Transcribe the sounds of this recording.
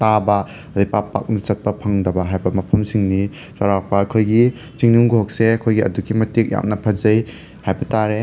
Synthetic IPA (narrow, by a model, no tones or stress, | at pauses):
tabɐ | dɐjpapa̰k̚nit͡ʃɐt̚pɐpʰɐŋdɐbɐɦajbɐmɐpʰɐmsiŋni | saɾak̚pɐɐkʰojɡi | t͡ʃiŋnuŋɡuɦok̚seɐkʰojɡiɐ̰duɡimɐtik̚ja̰mnɐpʰɐzɐj | hajbɐtaɾe